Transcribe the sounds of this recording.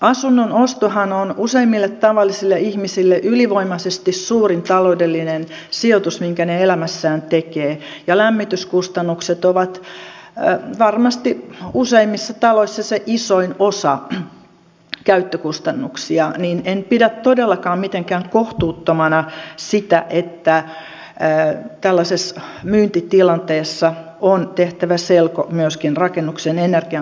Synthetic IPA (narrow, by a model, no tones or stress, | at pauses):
ɑsunːonost̪ohɑnonuseimːilːet̪t̪ɑʋɑlːisilːeihmisilːeʔyliʋoimɑsest̪issuːrint̪ɑloudelːinensiot̪usmiŋkæneelæmæsːæːnt̪ekeːjɑlæmːit̪yskust̪ɑnːukset̪oʋɑt̪ | ʋɑrmɑst̪iuseimːisːɑt̪ɑloisːɑseʔisoinosɑ̰ | kæyt̪ːøkust̪ɑnːuksiɑninenpidæt̪t̪odelːɑkɑːmmit̪eŋkæːŋkoht̪uːt̪ːomɑnɑsit̪æʔet̪ːæ | t̪ælːæsesmyːnt̪it̪ilɑnt̪eːsːɑ | ont̪eht̪æʋæselko̰myøskinrɑkenːuksenenerɡ̥iɑ